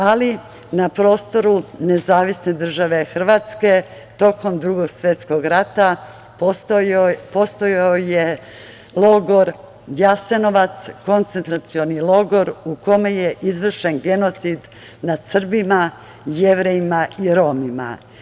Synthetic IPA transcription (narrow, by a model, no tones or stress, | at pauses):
ali | napɾo̞ːst̪o̞ɾune̞zaːʋisne̞d̪r̩ʒaʋe̞xr̩ʋat̪ske̞ | t̪o̞ko̞md̪ɾuɡo̞ɡsʋe̞t̪sko̞ɡɾat̪a | po̞st̪ojoje | lˠo̞ɡo̞ɾ | jase̞no̞ʋat̪sko̞nt̪se̞nt̪ɾat̪sio̞nilo̞ɡo̞ɾuko̞meje̞ʔizʋr̩ʃe̞nɡe̞no̞t̪sid̪ | nad̪sr̩bima | jeʋɾejimaiɾo̞mima̰